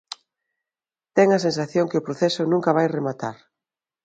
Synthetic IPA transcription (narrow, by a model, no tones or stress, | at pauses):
t̪ɛŋɐs̬ens̬aθjoŋkɪʊpɾoθɛsʊnũŋkɐβ̞ajremat̪aɾ